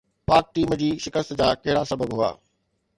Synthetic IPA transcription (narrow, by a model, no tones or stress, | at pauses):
paːk̚ʈiːmd͡ʑiːʃɪkəst̪d͡ʑaːkɐɦɪɽasɐbəbɦʊa̰ː